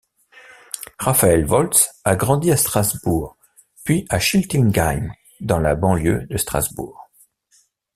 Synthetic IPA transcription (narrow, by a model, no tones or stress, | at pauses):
ʁafaɛlvɔlt̪saɡʁɑ̃d̪iast̪χazbuʁ | pɥiʔaʃilt̪inɡaɲ | d̪ɑ̃la̰bɑ̃ljø̰d̪əst̪χa̰zbṵːʁ